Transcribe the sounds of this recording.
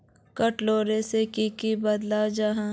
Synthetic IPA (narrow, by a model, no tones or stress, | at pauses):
kɐʈloːɾesekikibɐd̪lad͡ʒaɦã